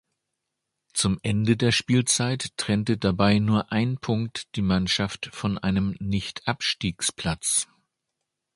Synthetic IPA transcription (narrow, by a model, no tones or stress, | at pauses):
t͡sʊmʔɛndədeːɐʃpiːlt͡saɪtːʁ̥ɛntədabaɪnuːɐʔaɪnpʰʊŋk̚td̥iːmanʃaftfɔnʔa̰ɪnəmnɪçtʔapʃtiːkspl̥at͡s